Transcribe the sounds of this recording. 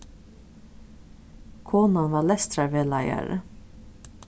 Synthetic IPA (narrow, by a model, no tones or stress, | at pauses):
kʰoːnɑnʋɑːlɛst̪ɾɑɾʋeːlɑɪɑ̰ɾə̰